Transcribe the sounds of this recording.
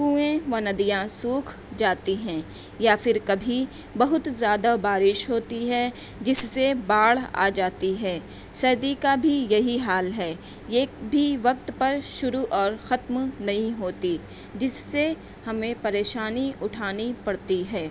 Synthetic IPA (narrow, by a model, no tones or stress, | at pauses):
kuẽʋɐnɐd̪ijãsuːkʰ | d͡ʒaːt̪iɦɛ̃ː | jafɪɾkɐbʱi | bɐɦʊt̪zjaːd̪abaːɾɪʃɦoːt̪iɦɛ | d͡ʒɪsːebaːɭa̰ːd͡ʒaːt̪iɦɛː | sɐːd̪ikabʱijɐɦiɦaːlɦɛː | jeːkbʱiʋɐk̚t̪pɐɾʃʊɾuʔɔːɾxɐt̪mnɐɦĩɦoːt̪i | d͡ʒɪsːe | hɐmẽpɐɾeːʃaːniʊʈʰaːnipɐɽt̪iɦɛː